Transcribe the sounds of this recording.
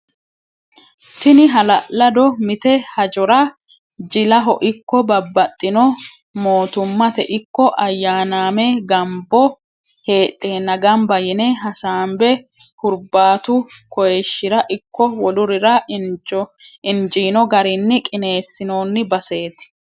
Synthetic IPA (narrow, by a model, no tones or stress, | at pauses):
t̪ɪnɪɦɐlɐʔlɐd̪ɔmɪt̪ɛhɐd͡ʒɔɾɐ | d͡ʒɪlɐɦɔʔɪkːɔbɐbːɐt̪ʼːɪnɔ | mo̞ːt̪ʊmːɐt̪ɛʔɪkːɔʔɐjːaːnaːmɛɡɐmbɔ | he̞ːt̪ʼːeːnɐɡɐmbɐjɪneɦɐsaːmbɛ | hʊɾbaːt̪ʊkɔjɛʃːɪɾɐʔɪkːɔwɔlʊɾɪɾɐ | ɪnd͡ʒiːnɔɡɐɾɪnːɪkʼɪne̞ːsːɪno̞ːnːɪbɐse̞ːt̪ɪ̥